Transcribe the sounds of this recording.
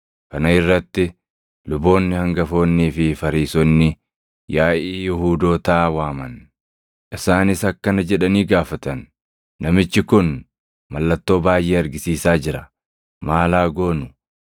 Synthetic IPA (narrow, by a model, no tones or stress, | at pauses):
kɐnɐɪrːɐt̪ːɪ | lʊbo̞ːnːɪhɐŋɡɐfo̞ːnːiːfɪfɐɾiːsɔnːɪ | jaːʔiːjɪhuːd̪o̞ːt̪aːwaːmɐn | ʔɪsaːnɪsɐkːɐnɐd͡ʒɛᶑɐniːɡaːfɐt̪ɐnː | ɐmɪt͡ʃːɪkʊn | mɐlːɐt̪ːo̞ːbaːjʔe̞ːɐɾɡɪsiːsaːd͡ʒɪɾɐ | maːlaːɡo̞ːnʊ